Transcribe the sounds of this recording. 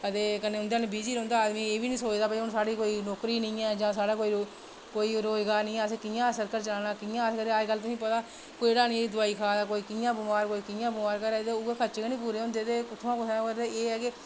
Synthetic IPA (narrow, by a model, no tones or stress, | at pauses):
ət̪eːkəneːʊnd̪ealẽbiːd͡ʒiːɾə̃ːnd̪aːaːd̪mĩːeːʋiːnĩːsoːt͡ʃd̪aːpəiʊnsaːɽiːkoːiːnoːkɾiːnəĩːɛːd͡ʒãːsaːɽaːkoːi | koːiːɾoːd͡ʒɡaːnɪ̃ĩːɛ̃ːs̬eːkɪjãːsəɾkəɾt͡ʃəaːnaːkɪjãːəskəɾeaːd͡ʒɡəlːt̪ʊsĩːpət̪aː | koːiɽaːnĩːiːd̪ʊaːiːkʰaːd̪aːkoːiːkɪjãːbʊmaːɾkoːiːkɪjãːbʊmaːɾkəɾɛːt̪eʊɡeːkʰət͡ʃeːkənĩːp̬uːɾeːʊ̃nd̪eːt̪eːkʊt̪ʰːãːkʊt̪ʰɛ̃ːɾd̪eːeːɛːkɪ